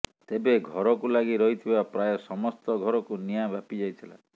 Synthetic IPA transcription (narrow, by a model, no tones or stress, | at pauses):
t̪ebeɡʱɔɾɔkulaɡiɾɔɦit̪ʰibapɾajɔsɔmɔst̪ɔɡʱɔɾɔkunijabapid͡ʒajt̪ʰila̰